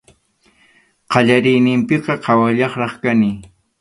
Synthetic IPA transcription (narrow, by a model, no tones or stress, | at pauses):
qɑʎaɾɪjnɪmpɪqɑqʰɑwaʎɑχɾɑχkanɪ